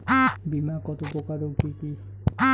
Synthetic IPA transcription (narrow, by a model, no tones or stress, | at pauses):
bimakɔt̪okokaɾokiki